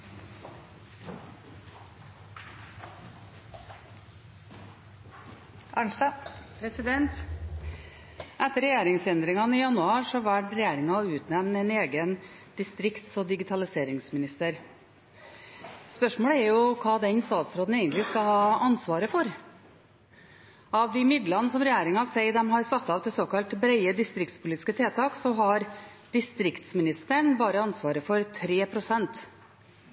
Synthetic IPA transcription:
ʔɑɳst̪ɑpʰɾɛsɪd̪ɛnt̪ | ʔæt̪ːəɾɛjeːɾɪŋsɛnd̪ɾɪŋɑniːjɑnʉɑːɾʂɔɑʋæʈɾɛjeːɾɪŋɑʉːt̪nɛmnɛneːɡən | d̪̥ɪst̪ɾɪkt̪sɔd̪ɪɡɪt̪ʰɑlɪseːɾɪŋsmɪnɪst̪əɾ | spœʂmoːɽəɛɾjʊkʰɑːd̪ɛnst̪ɑːt̪sɾoːd̪n̩ɛɪɡənlɪskɑhɑːɑnsʋɑːɾəfɔɾ | ɑʋd̪ɪmɪd̪lɑnəsɔmɾɛjeːɾɪŋɑsæɪd̪ɛmɦɑɾsɑt̪ːɑːʋt̪ʰɪsoːkɑlt̪bɾæɪəd̪ɪst̪ɾɪk̚t̪spʊliːt̪ɪ̥skət̪ʰeːt̪ʰɑːksɔɦɑɾd̪̥ɪst̪ɾɪkt̪smɪnɪst̪əɳbɑːɾəɑnsʋɑːɾəfɔɾt̪ʰɾeːpʰɾʊsɛnt̪

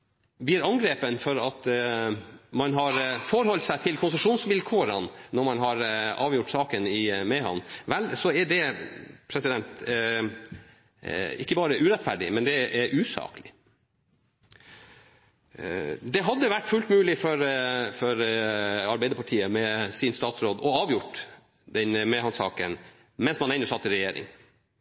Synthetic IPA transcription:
b̪iːɾɑŋɡɾeːpənfɔɾɑt̪ | mɑnɦɑɾfɔɾhɔlt̪sæɪt̪ʰɪlkʰʊnsəʂuːnsʋɪlkʰoːɾənnɔɾmɑnɦɑɾɑːʋjʊʈːsɑːkənɪmɛɦɑ̰nʋɛlsɔɛɖ̪ɛpʰɾɛsɪd̪ɛnt̪ | ɪkːəbɑːɾəʔʉːɾɛt̪fæɖɪ̰mɛnd̪ɛʔɛʔʉːsɑ̰ːklɪ | d̪ɛɦɑd̪ːəʋæʈːfʉlt̪mʉːlɪfɔɾfɔɾɑɾbæɪd̪əpʰɑʈʰiːəmɛsɪnst̪ɑːt̪sɾoːd̪ɔɑːʋjʊʈː | d̪ɛnmɛːhɑnsɑ̰ːkən | mɛnsmɑnɛɪnːʊsɑt̪ːɪlɾɛjeːɾɪ̰ŋ

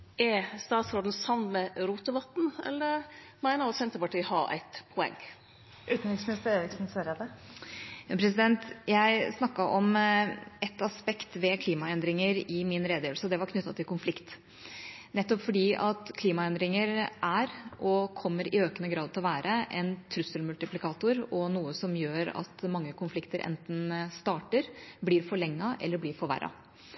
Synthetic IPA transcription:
ɛst̪ɑːt̪sɾoːd̪n̩sɑʋnmɛɾuːt̪əʋɑt̪n̩ɛ̰lːəɾ | mæɪnəɾɔsɛnt̪əɾpɑʈiːhɑɾæ̰ɪt̪pʰɔɛ̰ŋː | ʔʉːt̪n̩ɪksmɪnɪst̪əɾeːɾɪksn̩søɾɑd̪ɛ | jɑpʰɾɛsɪd̪ɛnt̪jæɪsnɑkːɑʔɔm | ɛt̪ːɑspɛkt̪ʋɛkʰliːmɑɛnd̪ɾɪŋəɾɪmɪnɾeːd̪jeːʋəlsəd̪ɛʋɑɾkʰnʏt̪ːɑt̪ʰɪlkʊnflɪkt̪ | nɛt̪ːɔpfɔɖiːʔɑt̪kʰliːmɑɛnd̪ɾɪŋəɾæɾʔɔkʰɔmːəɾɪøːkənəɡɾɑːd̪t̪ɪlɔʋæːɾəʔɛnt̪ʰɾʉsəlmʉlt̪ɪplɪkʰɑːt̪ʊɾɔnuːəsɔmjøːɾɑ̰t̪mɑŋːəkʰʊnflɪkt̪əɾʔɛ̰nt̪n̩st̪ɑːʈəɾbliːɾfɔɭɛŋːɑʔɛ̰lːəɾbliːɾfɔɾʋæ̰ɾʔɑ̰

